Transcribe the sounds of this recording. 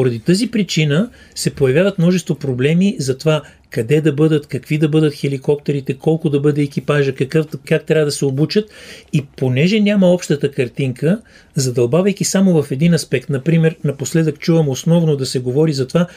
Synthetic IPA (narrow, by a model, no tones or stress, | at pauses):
poɾɐd̪it̪əzipɾit͡ʃinəsɛpojɐvʲjavət̪mnɔʒɛst̪vopɾoblɛmizɐt̪ova | kɐd̪ɛd̪ɐbɤd̪ət̪kɐkvid̪ɐbɤd̪ət̪xɛlikɔpt̪ɛɾit̪ɛkɔlˠkʊd̪ɐbɤd̪ɛːkipaʒəkɐkəfkak̚t̪ɾʲavəd̪ɐsɛobut͡ʃət̪iponɛʒɛnʲaməɔpʃt̪ət̪əkɐɾt̪iŋkə | zɐd̪ɐlˠbavɐjk̟isamovɐfɛd̪inɐspɛkt̪nɐpɾimɛɾnɐposlɛd̪əkt͡ʃuvəmosnɔvnod̪ɐsɛɡovɔɾizɐt̪ova